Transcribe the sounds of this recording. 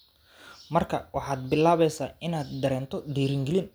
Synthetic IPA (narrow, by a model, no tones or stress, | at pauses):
mɐrkʰɐwɑħɑːd̪̚bɪlaːβɛjsaːɪnaːd̪̚ːɐɾɛːnt̪ʰɔd̪iːɾɪŋɡɛlɪn